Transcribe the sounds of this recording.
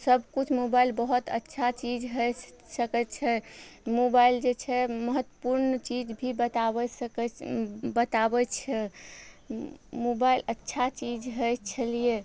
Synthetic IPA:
səbʱkut͡ʃʰmobailbəɦut̪ə̰tːʃʰat͡ʃid͡ʒɦə | səkɛt̪t͡ʃʰɛmobaild͡ʒet͡ʃʰɛməɦət̪ːwəpuɾnt͡ʃid͡ʒbʱibət̪aɛs | bət̪abɛt͡ʃʰɛ | mobailətːʃʰat͡ʃid͡ʒɦəjt͡ʃʰəlije

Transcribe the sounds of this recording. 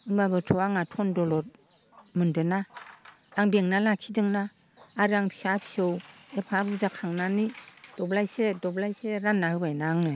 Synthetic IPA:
ɯmbabɯtʰɔwaŋatʰɔndɔlɔɾ | mɯndɯna | aŋbeŋnalakʰidɯŋnaː | ɾaŋpʰi̥sapʰi̥sɯwepʰaɾuzakʰaŋnanid̥ɔblajsedɔblajseɾanːahɯbajnaŋnɯ

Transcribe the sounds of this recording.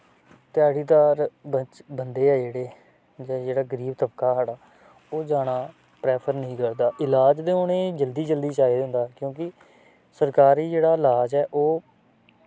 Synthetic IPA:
t̪ɪjaːɽiːd̪aːɾət͡ʃbənd̪eːɛːd͡ʒeːɽeː | d͡ʒaːd͡ʒeːɽaːɡəɾiːbt̪əbkaːɦaːɽaː | oːd͡ʒaːɽ̃aː | pɾɛːpʰəɾnəɦĩːkəɾd̪aːʔɪlaːd͡ʒd̪eːʊnẽːd͡ʒəld̪iːd͡ʒəld̪iːt͡ʃaːiːd̪nd̪aːkjõːkɪ | səɾkaːɾiːd͡ʒeːɽaːɪlaːd͡ʒɛːʔoː

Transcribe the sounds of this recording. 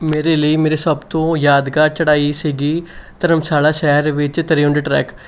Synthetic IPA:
meːɾeːləiːmeːɾeːsəbt̪õːjaːd̪ɡaːɾt͡ʃəɽaːiːsiːɡiːt̪əɾəmsaːlaːʃɛːɾʋɪt͡ʃt̪əɾiːʊɳɖʈɾɛ̰ːk

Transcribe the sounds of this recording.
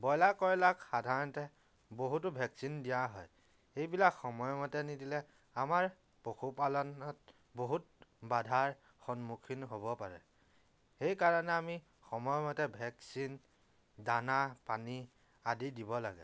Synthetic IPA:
bɔjlakɔɹlakxadʱaɹɔntɛ | boɦutʊbʱɛksindijaɦɔ̰j | xejbilakxɔmɔjmɔtɛnidilɛ | amaɹ | poxʰupalɔnɔt̚ | boɦutbadʱaɹ | xɔnmukʰinɦobɔpaɹɛ̰ | xejkaɹɔnɛami | xɔmɔjɔmɔtɛbʱɛksin | danapani | adidibɔla̰ɡɛ̰

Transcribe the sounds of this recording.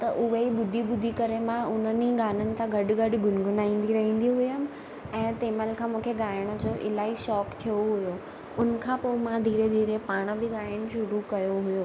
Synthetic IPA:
t̪ɐʔʊɦeɓʊd̪ʱiɓʊd̪ʱikɐɾemãʊn̤əniɡaːnənɪ̆t̪ʰãɡʱɐɖɡɐɖɡʱʊnɡʱʊnaːĩːn̆d̪iɾɐɦĩːn̆d̪iɦʊjəm̆ | ɛ̃ːt̪eːməlkʰãːmũːkʰeɡaːəɽ̃̆d͡ʑoːʔɪ̰laːɦiʃɔːkt̪ʰijoɦʊjoː | ʊnə̆kʰãːpoːmãd̪ʱiːɾed̪ʱiːɾepaːɽ̃ə̆bʱɪɡaːəɽ̃̆ʃʊɾukɐjoɦʊjoː

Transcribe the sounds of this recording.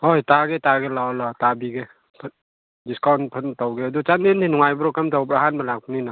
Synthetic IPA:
ojtaɡetaɡelawlatabiɡe | pʰ | diskawnpʰəntawɡeːdut͡ʃandintʰinuŋajbɾɔkamtawbɾaɦanbalak̚pnina

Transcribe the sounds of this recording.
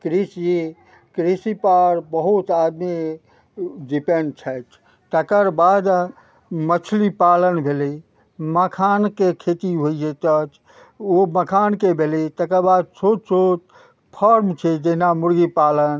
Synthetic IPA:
kɾisji | kɾisipaɾbəɦut̪ad̪me | ɖipenɖt͡ʃʰət͡ʃʰ | t̪əkəɾbad̪ | mət͡ʃʰlipalənbʱeli | məkʰankekʰet̪iɦoid͡ʒet̪ət͡ʃ | oməkʰankebʱelit̪əkəɾbad̪̚sʰosot͡ʃ | pʰəɾmt͡ʃʰɛd͡ʒeɦnamuɾɡipalən

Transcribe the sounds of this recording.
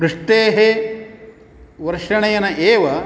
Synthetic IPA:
ɾuʂʈ̪eːɦe | ʋɐɾʂɐɳɐjɐnɐʔeːʋɐ

